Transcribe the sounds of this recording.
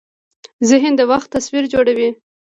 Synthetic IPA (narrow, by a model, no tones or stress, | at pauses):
zɪɦɪnd̪əwaxt̪ːaswiɾd͡ʒoɽawi